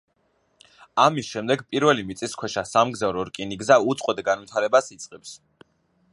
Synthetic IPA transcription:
amisʃɛmd̪ɛɡpʼiɾvɛlimit̪sʼiskʰwɛʃasamɡzavɾɔɾkʼiniɡzaut̪sʼqʼwɛd̪ɡanvwit̪ʰaɾɛbasit̪sʼqʼɛps

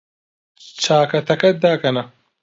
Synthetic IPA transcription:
t͡ʃʰaːkɐt̪ʰɐkɐt̪̚d̪aːkɐna

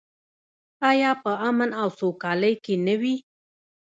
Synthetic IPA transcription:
ɑjɑpəamənawsokɑləjkenəwi

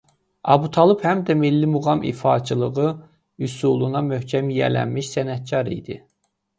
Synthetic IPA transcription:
ɑ̰but̪ʰɑlˠuphæmd̪æmilːimuɣɑmʔḭfɑːt͡ʃʰɯlˠɯɣɯ | ysulˠunɑmøhcʰæmijæ̰læ̰nmiʃsænæt̪̚cʰɑɾḭd̪ḭ

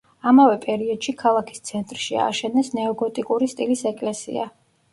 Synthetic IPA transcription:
amavɛpʼɛɾiɔd̪̥ʃikʰalˠakʰi̥st̪sʰɛnt̪ʼɾʃia̰ːʃɛnɛsnɛɔɡɔt̪ʼikʼuɾist̪ʼilisɛkʼlɛsḭa̰

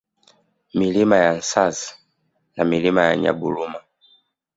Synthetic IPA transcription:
milimajan̩sazi̥ | namilimajaɲa̰buluma

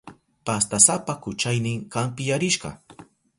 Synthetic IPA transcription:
past̪asapakʊt͡ʃajnɪŋɢampɪjaɾɪʃɢɑ̰

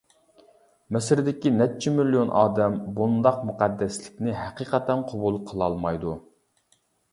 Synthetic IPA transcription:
mɛsɪɾd̪ɪkʲinɛt̚t͡ʃʰimiljonʔɑ̰ːd̪ɛmbund̪ɑqmuqæd̪ːɛslɪkʲnɪɦæqiːqʰɛt̪ɛnqʰobulˠqʰəlˠɑlˠmɑjd̪u

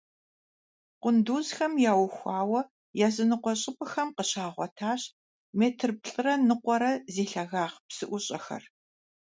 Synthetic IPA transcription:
qʷʊnduːzxɐmjaːwxʷaːwɐ | jaːzɨnɨqʷɔɕʼɪpʼɨxɐmqəɕaːʁʷɔtʰaːɕ | meːtʰɨrp̚ɬʼɨrɐnɨqʷɔɾɐzeːɬɐɣaːʁpsɨʔʷʊɕʼɐxɐ̰r

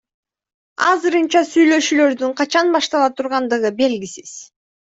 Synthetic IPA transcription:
ɑ̰zɯɾɯnt͡ʃɑsyjlø̞ʃyːlø̞ɾd̪yɴqʰɑt͡ʃɑnbɑʃt̪ɑlˠɑt̪ʰuɾʁɑnd̪ɯʁɯbe̞lɡʲisiz̥

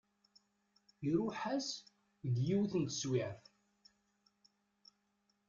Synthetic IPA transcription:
iɾuħæs | əɡjiwθənt̪ə̥swiʕθ

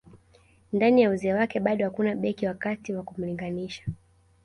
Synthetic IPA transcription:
ndanijauzɛːwakɛɓaɗɔhakunaɓɛkiwakatiwakum̩liŋɡaniʃḁ

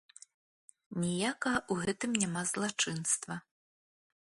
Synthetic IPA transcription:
nʲijakɐɣɐʔuɣɛt̪ɨmnʲamazlˠat͡ʂɨnst̪vɐ

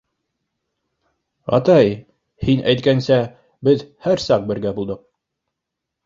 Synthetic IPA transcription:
ɑ̰t̪ɑj | hinʔæ̰jt̪̚kænsæ | bɘðhæɾsɑq̚bɘ̆ɾɡæbulˠd̪ɤq̚

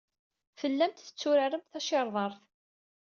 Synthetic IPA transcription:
fəlːæmt̪θə̥t͡sːʊɾaɾəmθæʃɪɾˤðˤɑɾˤθ

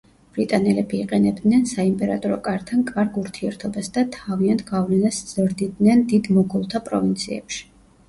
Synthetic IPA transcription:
b̥ɾit̪ʼanɛlɛbiːqʼɛnɛbd̪nɛnsaimpʼɛɾa̰t̪ʼɔɾɔkʼaɾt̪ʰankʼaɾɡuɾt̪ʰiɛɾt̪ʰɔbasd̪at̪ʰaviant̪ʰɡavlɛnasz̥ɾd̪id̪nɛnd̪id̪mɔɡɔlˠt̪ʰapʼɾɔ̰vint̪sʰiɛ̰pʃi̥

